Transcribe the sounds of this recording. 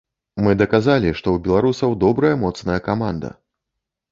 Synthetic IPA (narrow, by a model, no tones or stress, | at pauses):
mɨd̪ɐkazalʲiʂt̪ɔwbʲɛlˠaɾusɐwd̪ɔbɾɐjɐmɔt̪snɐjɐkamand̪ɐ̰